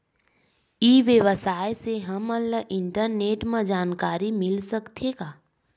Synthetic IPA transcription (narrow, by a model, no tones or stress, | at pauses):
iːʋjəʋəsaːjseɦəmələʔɪ̃ɳʈəɾneːʈmə̃d͡ʒaːnkaːɾimɪlsəkt̪ʰeːɡaː